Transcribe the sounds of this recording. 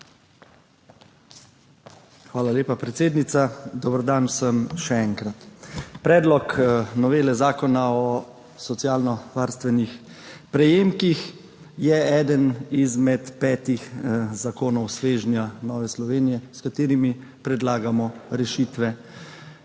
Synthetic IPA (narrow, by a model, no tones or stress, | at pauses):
xʋaːlaleːpapɾɛt̪seːd̪nit̪sad̪ɔbəɾd̪ansəmʃɛɛŋkɾat̪pɾɛːd̪lɔknɔʋeːlɛzaːkɔnaɔ | sɔt̪sjaːlnɔʋaːɾst̪ʋɛnix | pɾɛjeːmkix | jɛɛːd̪ənizmɛt̪pɛːt̪ixzakoːnɔwsʋeːʒnjanɔːʋɛslɔʋeːnijɛskat̪eːɾimipɾɛd̪laːɡamɔɾɛʃiːt̪ʋɛ